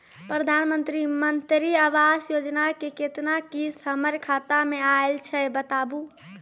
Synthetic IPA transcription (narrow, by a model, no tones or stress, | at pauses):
pɾəd̪ʱanmənt̪ɾimənt̪ɾiaʋasjod͡ʒnakeket̪nakisɦəməɾkʰat̪ameaelt͡ʃʰɛbət̪abu